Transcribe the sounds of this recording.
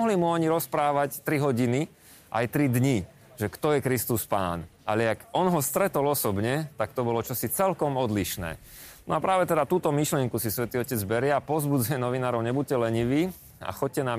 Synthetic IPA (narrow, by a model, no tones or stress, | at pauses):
ɔɦlimuɔɲiɾɔspɾaːʋact̪ɾiɦɔɟini | ʔa̰jt̪ɾid̪ɲi | ʒɛkt̪ɔjɛkɾist̪uspa̰ːnʔalɛakɔnɦɔst̪ɾɛt̪ɔlɔsɔbɲɛt̪ak̚t̪ɔbɔlɔt͡ʃɔsit͡sɛlkɔmɔd̪liʃnɛ̰ː | nɔ̰apɾaːʋɛt̪ɛd̪at̪uːt̪ɔmiʃlɪɛŋkusisʋɛt̪iːɔcɛd͡zbɛɾɪɛapɔzbud͡zuɛnɔʋinaːɾɔʊɲɛbuc̚cɛlɛɲiʋiː | a̰xɔc̚cɛnaːm